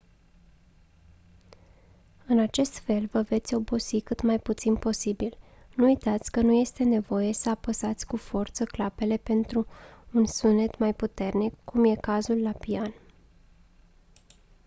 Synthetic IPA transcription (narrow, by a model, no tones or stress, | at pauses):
ɨnat͡ʃe̞st̪fe̞lvəve̞t̪sʲo̞bo̞sikɨt̪majput̪sinpo̞sibil | nuujt̪at̪sʲkənuje̞st̪e̞ne̞vo̞je̞səapəsat̪sʲkufo̞rt̪səklape̞le̞pe̞nt̪ɾuːnsunet̪majput̪e̞rnikːumje̞kazulːapian